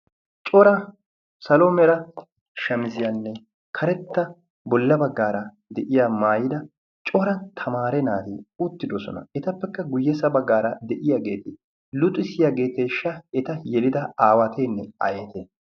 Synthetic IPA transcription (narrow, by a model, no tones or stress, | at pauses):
t͡ʃʼɔɾɐ | sɐlomɛɾɐ | ʃɐmɪzɪjanːɛ | kʰɐɾɛt̪ːɐ | bɔlːɐbɐɡːaːɾɐ | d̪ɛʔɪjaːmaːjɪd̪ɐ | t͡ʃʼɔɾɐnt̪ʰɐmaːɾɛnaːt̪ɪʊt̪ːɪd̪ɔsɔ̰nɐ̰ɛt̪ɐpːɛkːɐɡʊjːɛsɐbɐɡːaːɾɐd̪ɛʔɪjaːɡe̞ːt̪ɪ | lʊt̪ʼːɪsɪjaːɡe̞ːt̪ːeʃːɐɛt̪ɐjɛlɪd̪ɐaːwɐt̪ʰenːɛ̰ɐ̰jeːt̪e